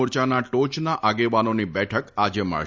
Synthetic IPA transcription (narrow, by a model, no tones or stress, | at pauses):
uɾt͡ʃanaʈot͡ʃnaʔaɡeʋanonibɛʈʰəkad͡ʒemə̰ɭ